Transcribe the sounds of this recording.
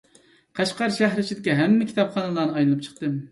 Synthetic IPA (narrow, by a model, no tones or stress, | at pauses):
qʰɑʃqɑɾʃæɦɾɪt͡ʃʰid̪ɪkʲiɦɛmːɛkʲʰi̥t̪ɑpχɑnɨlˠɑːnɨɑjlɨnɨp̚t͡ʃʰə̥q̚t̪ɨm